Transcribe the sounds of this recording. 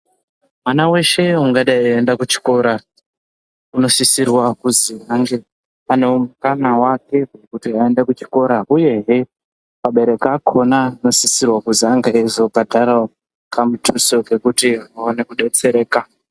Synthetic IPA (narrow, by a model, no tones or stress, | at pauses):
mwanawe̞ʃe̞uŋɡaɗaiendakut͡ʃi̥ko̞ɾa | uno̞sisirwakuziaŋɡe | ane̞omukanawake̞ɦekutiaendakut͡ʃi̥ko̞ɾaʔuje̞ɦe | paɓe̞ɾe̞kakʰo̞nano̞sisirwakuziaŋɡeezo̞bʱadʱaɾa | kʰamutʰuso̞ɡe̞kutiawonekuɗe̞t͡se̞ɾe̞ːka